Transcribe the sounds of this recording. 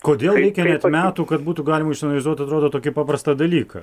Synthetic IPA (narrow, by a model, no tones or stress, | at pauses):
koːd̪ʲeːlˠɾʲɛɪkʲɛnʲɛt̪mʲæːt̪uːkɐt̪buːt̪uɡɑːlʲɪmɐɪʃt̪ɐnɐlʲɪzuɔt̪ɐt̪ɾoːd̪oːt̪oːkʲɪpɑːpɾɐst̪ɑd̪ɐlʲiːkɐ̰